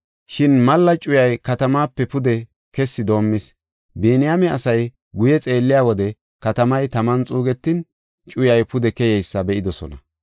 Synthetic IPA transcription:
ʃɪnmɐlːɐt͡ʃʼʊjɐjkɐt̪ɐmaːpːɛpʊd̪ɛ | kɛsːɪd̪o̞ːmːɪs | beːnɪjamɛɐsɐj | ɡʊjɛt͡sʼe̞ːlːɪjaːwɔd̪ɛ | kɐt̪ɐmɐjt̪ɐmɐnt͡sʼuːɡɛt̪ːɪn | t͡ʃʼʊjɐjpʊd̪ɛkɛjɛjsːɐbɛʔɪd̪ɔsɔ̰nɐ̰

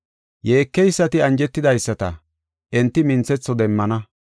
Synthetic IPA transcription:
je̞ːkːɛjsːɐt̪ɪɐnd͡ʒɛt̪ːɪd̪ɐjsːɐt̪ɐ̰ | ɛnt̪ːɪmɪnt͡sːɛt͡sːɔd̪ɛmːɐnɐ

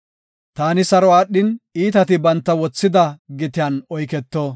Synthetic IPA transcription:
t̪aːnɪsɐɾɔaːɗːɪniːt̪ɐt̪ɪbɐnt̪ːɐwɔt͡sːɪd̪ɐɡɪt̪ɪjɐnɔjkɛt̪ːoː

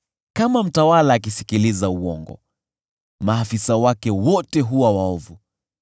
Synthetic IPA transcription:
kamam̩tawalaːk̬isi̥kilizauwɔŋɡɔ̰ | maːfisawakɛwɔtɛɦuwawaɔvu

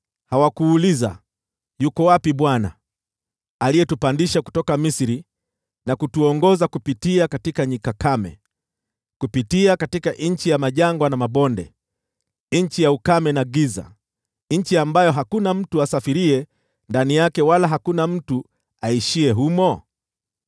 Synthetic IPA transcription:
hawakuːliza̰ | jukɔwapiɓwana̰ː | lijɛtupandiʃaku̥tɔkamisiɾi | nakutuɔŋɡɔzakupitiakatikaɲikakamɛ̰ | kupitiakatikaʔɲ̩t͡ʃijamaʄaŋɡwanamaɓɔndɛ̰ | ɲ̩t͡ʃijaukamɛnaɡiza̰ | ɲ̩t͡ʃiambajɔɦakunam̩tuasafiɾiɛ | ndanijakɛwalaɦakunam̩tu | aiʃiɛɦumɔ

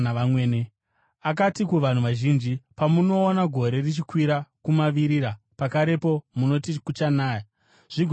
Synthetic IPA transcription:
aamweːne | ak̬atikuʋan̤uʋaʒind͡ʒipamuno̞ːnaɡʱo̞ɾe̞rit͡ʃikwiɾakumaʋiɾiɾa | pakaɾe̞po̞muno̞tikut͡ʃanaːja | ʐ̥iɡʱ

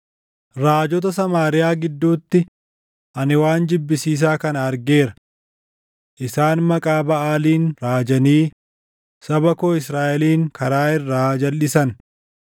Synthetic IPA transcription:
ɾaːd͡ʒɔt̪̬ɐsɐmaːɾɪjaːɡɪd̪ːuːt̪ːɪ | ʔɐnɪwaːnd͡ʒɪbːɪsiːs̬aːkɐnɐɐɾɡe̞ːɾɐ | ʔɪsaːnmɐkʼaːbɐʔaːliːnɾaːd͡ʒɐniː | sɐbɐkoːɪsɾaːʔɛliːŋkɐɾaːɪrːaːd͡ʒɐlːɪsɐn

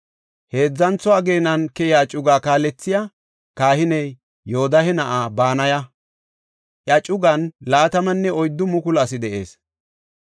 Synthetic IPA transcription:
he̞ːd͡zːɐnt͡sɔwaːɡe̞ːnɐnkɛjaːt͡ʃʼʊɡaːkaːlɛt͡sːɪjaː | kaːhɪnɛjː | oːd̪ɐhɛnɐʔaːbaːnɐjɐ | ʔjɐt͡ʃʼʊɡɐnlaːt̪ɐmɐnːɛɔjd̪ːʊmʊkʊlɐs̬ɪd̪ɛʔe̞̰ːs

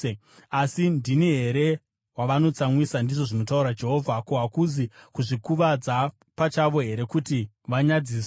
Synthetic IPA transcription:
asindiniɦe̞ɾe̞ | waʋano̞t͡samwisandiʐoʐinotauɾad͡ʒe̞ɦo̞vʱakoɦakuzikuʐikuʋad͡za | pat͡ʃaʋo̞ɦe̞ɾe̞kuti | ʋaɲad͡zis

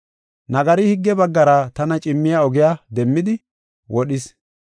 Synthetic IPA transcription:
nɐɡɐɾɪhɪɡːɛbɐɡːɐɾɐt̪ɐnɐt͡ʃʼɪmːɪjaɔɡɪjad̪ɛmːɪd̪ɪ | wɔɗɪs

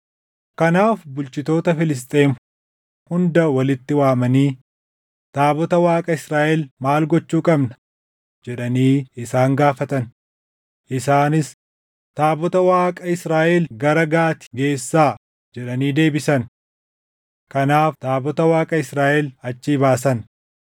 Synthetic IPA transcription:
kɐnaːfbʊlt͡ʃɪt̪o̞ːt̪ɐfɪlɪs̬t̪ʼeːn | hʊnd̪ɐwɐlɪt̪ːɪwaːmɐniː | t̪aːbɔt̪ɐwaːkʼɐɪsɾaːʔɛlmaːlɡɔt͡ʃːuːkʼɐbnɐ̥ | d͡ʒɛᶑɐniːɪsaːŋɡaːfɐt̪ɐn | ʔɪsaːnɪs | t̪aːbɔt̪ɐwaːkʼɐɪsɾaːʔɛlɡɐɾɐɡaːt̪ɪ̥ɡe̞ːsːaː | d͡ʒɛᶑɐniːd̪e̞ːbɪsɐn | kɐnaːft̪aːbɔt̪ɐwaːkʼɐɪsɾaːʔɛlɐt͡ʃːiːbaːsɐn

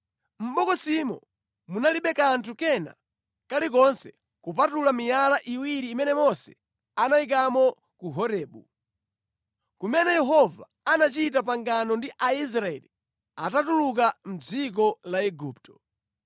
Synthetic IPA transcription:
m̩ɓɔkɔsimɔ | munaliɓɛkantʰukɛna̰ | kalik̬ɔnsɛ | kup̬atulamijalaʔiwiɾiːmɛnɛmɔsɛ̥ | anaik̬amɔ | kuɦɔɾɛːɓṵ | kumɛnɛjɛɦɔva | anat͡ʃitap̬aŋɡanɔndiʔais̬ɾaɛ̰li | a̰tatuluk̬am̩d͡zik̬ɔlaɛɡuːp̚tɔ̥

